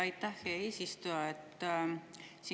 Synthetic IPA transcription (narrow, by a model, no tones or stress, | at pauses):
ɑjt̪ːˑɑhkeeːsist̪ujɑet̪ːˑ | si